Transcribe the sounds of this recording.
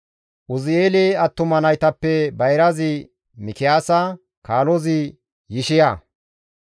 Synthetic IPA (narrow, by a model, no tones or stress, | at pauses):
ʔʊzɪeːleɐt̪ːʊmɐnɐjt̪ɐpːɛbɐjɾɐzɪ | mɪkɪjaːsɐ | kaːlɔzɪ | jɪʃɪjaː